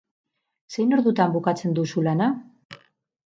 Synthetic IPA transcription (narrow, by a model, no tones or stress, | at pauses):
se̞jno̞ɾðut̪ambukat͡se̞nd̪usulana